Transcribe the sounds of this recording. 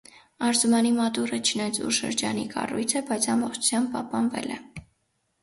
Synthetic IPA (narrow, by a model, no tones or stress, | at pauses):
ɑɾzumɑnimɑt̪uɾət͡ʃʰənɑjt͡sʰṵʃə̰ɾd͡ʒɑ̰nḭkɑ̰rujt͡sʰɛbɑjt͡sʰɑmbɔχt͡ʃʰu̥t͡sʰjɑmb̚pɑhpɑnvɛ̰lɛ̰